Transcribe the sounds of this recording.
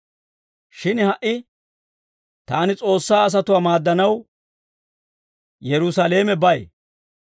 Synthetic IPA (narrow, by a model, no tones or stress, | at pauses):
ʃɪnhɐʔɪ | t̪aːnɪt͡sʼo̞ːsːaːɐs̬ɐt̪ʊwaːmaːd̪ːɐnɐw | jɛɾʊsɐle̞ːmɛbɐj